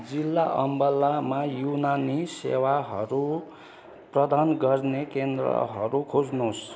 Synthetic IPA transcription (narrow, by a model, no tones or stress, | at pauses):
d͡zilːaʔʌmbʌlːamajunanisḛwaɦʌ̰ɾu | prʌd̪anɡʌrnekend̪rʌ̰ɦʌɾukʰod͡znos